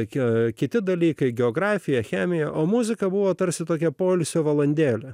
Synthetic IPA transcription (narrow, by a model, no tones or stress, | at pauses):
kʲɪt̪ʲɪd̪ɐlʲiːkɐɪɡʲɛoːɡɾɑːfʲɪjɛxʲæːmʲɪjɛʔoːmuzʲɪkɐbuʋoːt̪ɐɾʲsʲɪt̪oːkʲɛpoːlʲsʲoːʋɐlˠɐnʲd̪ʲeːlʲɛ